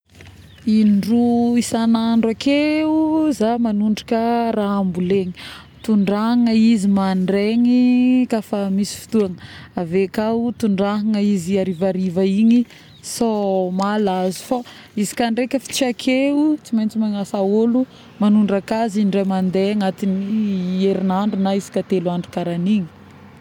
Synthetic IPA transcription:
inɖ͡ʐuisanaɳɖ͡ʐakeuzamanuɳɖ͡ʐakəɾaambuleɲi̥ | t̪uɳɖ͡ʐaŋəizimaɳɖ͡ʐeŋikafamisi̥fi̥t̪uaŋəavekat̪uɳɖ͡ʐaɦaŋəiziaɾivaɾivaiɲi | somalazu̥fa | izi̥kanɖ͡ʐekʲəfi̥t͡siakʰeut͡simajnt͡simaŋasaolu | manuɳɖ͡ʐakaziɳɖ͡ʐajmand̪eaŋat̪inieɾinaɳɖ͡ʐunaizi̥kat̪eluaɳɖ͡ʐukaɾaniɲi̥

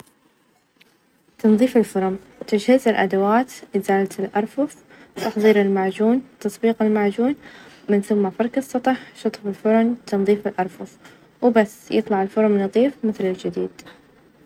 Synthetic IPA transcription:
t̪ɑnðˤiːfɪlfʊɾˤʊm | t̪ɪd͡ʒhɪzɪlʔa̰d̪awaːt̪ʔɪzaːlt̪ɪlʔɑɾˤfʊf | t̪ɑħðˤiːɾɪlmaʕd͡ʒuːnt̪ɑsˤbiːqɪlmaʕd͡ʒuːnmɪnθʊmːafɑɾˤkɑsˤːɑt̪ˤɑħʃɑt̪ˤfɪlfʊɾˤʊnt̪ɑnðˤiːfɪlʔɑɾˤfʊθ | wbasːjɨt̪ˤlɑʕɪlfʊɾˤmnɨðˤiːfmɪθlɪld͡ʒɪd̪ḭːd̪̥

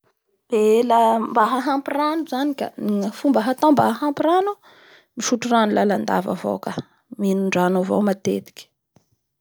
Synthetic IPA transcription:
b̥elambaɦaɦampiranuzanika̰iŋfumbəɦat̪ombaɦaɦampiranu | miʃuʈ͡ʂuranulaland̪a̰va̰vo̰ka | minuɳɖ͡ʐanovo̰mat̪ḛt̪i̥kʲi̥

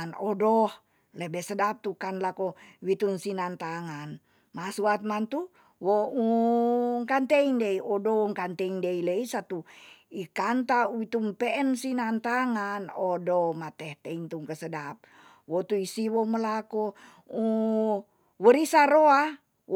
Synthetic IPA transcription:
nɔdɔh | lebɛsədap̚t̪ukanlakowit̪unsinant̪aŋan | masuat̪̚mant̪u | wou | ŋkant̪eindeiʔɔdɔŋkant̪eiŋdeileisat̪uikant̪auwit̪umpɛɛnsinant̪aŋanɔdɔmat̪ɛht̪eint̪uŋkəsədap̚ | wot̪uisiwɔməlako | u | wəɾisaɾoa

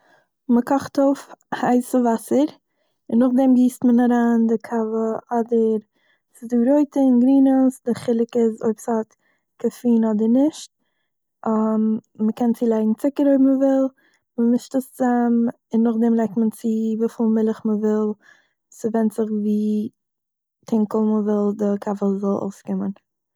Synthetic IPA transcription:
məkʰɔχtoʊfhaɪsɪvasəɾ | ɪnːʊχdɛmɡiːstmənaɾaːndɪkʰavəɔdəɾ | sɪduːɾoɪtəɪnɡɾiːnəsdɪχɪlˠɪkɪzo̰ɪpsat | kʰafiːnɔdəɾnɪʃt̚ | amməkʰɛnt͡siːlˠaɪɡŋ̩t͡sɪkəɾoɪbməvɪlˠ | məmɪʃtəst͡sam | ɪnːʊχdɛmlˠaɪk̚tmənt͡sɪviːfɪlˠmɪlˠɪχməvɪlˠ | sɪvɛntt͡sɪχviː | tʰɪŋkəl̩ˠməvɪlˠdɪkʰavəzɔlˠo̰ʊskɪmən

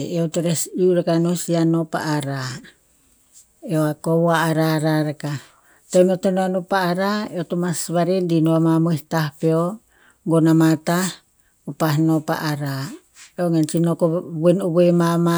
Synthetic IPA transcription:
eot̪oɾesiuɾekanosianopa̰ʔːɾa | eoakowaːɾaɾaɾeka | t̪onotonoanopaːɾaeot̪omasβaɾendinoamamoht̪ahpeo | ɡonamat̪ah | opaɦnopa̰ʔaɾa | eoŋent͡ʃinokobenoβuemama

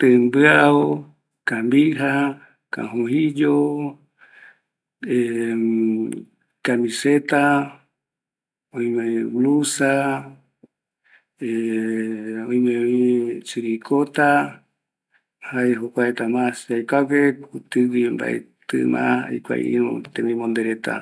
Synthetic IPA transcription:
t̪embɨaɾao | kambiɦa | kã̰ɦõɦid͡ʒo | e | kamĩset̪a | õĩmẽwlusa | e | õĩmẽβit͡ʃiɾikʰot̪a | haeɦokʷaet̪amãsajkʷakeut̪ɨwimba̰ʔḛt̪ɨ̰mã̰ha̰jkʷa̰ʔḭɾo̰t̪ẽmĩmõnd̪eɾet̪a̰

